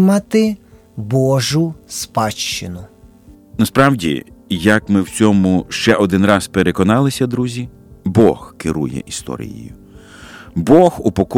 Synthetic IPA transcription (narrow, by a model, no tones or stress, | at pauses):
mɑt̪ɪ | bɔʒʊspɑt͡ʃt͡ʃɪnʊ | nɐspɾɑwdʲḭjɐkmɪwt͡sʲɔmʊʃt͡ʃɛʔɔd̪ɪnrɑspeɾekɔnɑlˠɪsʲɐd̪ɾuzʲi | bɔxkɪɾujɛ̰ʔist̪ɔ̰ɾʲḭjḭjʊ | bɔhupɔk